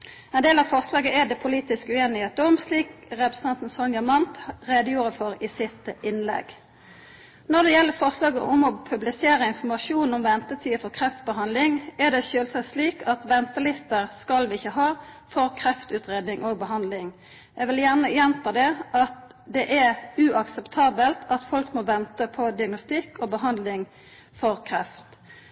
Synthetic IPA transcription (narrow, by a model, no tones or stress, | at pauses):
ɛnd̪eːlɑʋfɔʁslɑːɡəʔɛd̪ɛpʰʊliːt̪ɪskʉeːnɪheːt̪ɔmsliːkʁɛpɾəsə̥nʰɑnt̪n̩sɔnɡəmɑnt̪ʁeːd̪əjuːʁəfɔɾisɪt̪ɪnlɛ̰ɡ | nɔʁd̪ɛjɛlːəfɔʁslɑːɡəʔʊmɔpʰʉblɪseːɾəɪnfɔʁmɑʂuːnɔmʋɛnt̪ət̪ʰiːfɔʁkʰʁɛft̪̚bəɦɑnd̪lɪŋɛʁd̪ɛçøːlsɑsliːkʰɑt̪ʋɛnt̪əlɪst̪əʁskɑlʋɪçːəɦɑː | fɔʁkʰɾɛft̪ʉːt̪ʁeːd̪nɪŋʔoɡ̚bəɦɑnd̪lɪŋ | jæʋɪljæʁnəjɛnt̪ʰɑːd̪ɛʔɑt̪ | d̪ɛʔæʉɑksəpt̪ʰɑːbəlt̪ɑt̪fɔlkmɔʋɛnt̪əpʰɔd̪ɪɑɡnʊst̪ɪkːɔbəɦɑnd̪lɪŋ | fɔʁkʰɾɛft̪